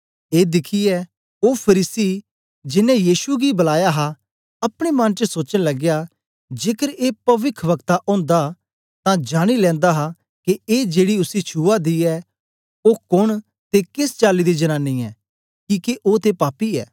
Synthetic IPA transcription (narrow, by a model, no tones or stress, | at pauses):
eːd̪ɪkʰiɛ | oːpʰəɾiːsi | d͡ʒɪnɛ̃jiːʃuɡibɐlaːjaɦa | ɐpɽ̃emɐ̃nt͡ʃəsoːt͡ʃənlɐɡja | d͡ʒeːkəɾeːpɐʋɪkʰʋəkt̪aʔõːnd̪a | t̪ãd͡ʒaːɽ̃ilɛ̃ːnd̪aɦa | keeːd͡ʒeːɽiʊsit͡ʃʰuːad̪iɛ | oːkʊɳ̃ | t̪ekɪst͡ʃaːlid̪id͡ʒɐñaːnːiɛː | kiːkeʔoːt̪epaːpiɛ̰ː